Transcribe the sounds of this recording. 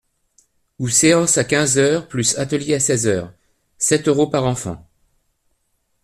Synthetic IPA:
useɑ̃sakʲɛ̃zœʁplysat̪əljeasɛzœːʁ | sɛt̪øʁopaʁɑ̃fɑ̰̃

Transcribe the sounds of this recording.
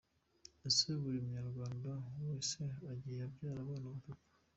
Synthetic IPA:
eseβuɾimuɲaɾɡwaːndaweːseaɟijabɟaːɾaβaːnaβuɡukḁ

